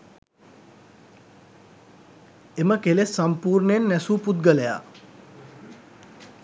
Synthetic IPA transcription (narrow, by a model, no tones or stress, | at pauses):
eməkelesːampuːɾnenːɛsuːput̪ɡələja̰